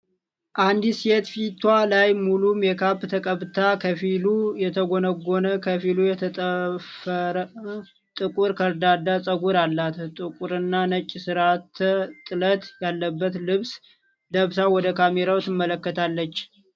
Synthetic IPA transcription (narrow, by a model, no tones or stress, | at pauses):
ʔand̪iset̪fit̪ʰwalajmulumjɛkʰabt̪ʰəkʼəβt̪ʰakʰəfilujɛt̪ʰəɡonəɡonəkʰəfilujɛt̪ʰʼfɾ | t̪ʼɨkʼuɾkʰəɾd̪ad̪asʼəɡuɾalːat̪t̪ʼɨkʼuɾɨnːanət͡ʃʼːisɨɾat̪t̪ʼːɨlət̪jalːəbːət̪lɨβs | d̪əβsawɔd̪əkʰameɾawt̪ɨmːələkːət̪ʰalːət͡ʃː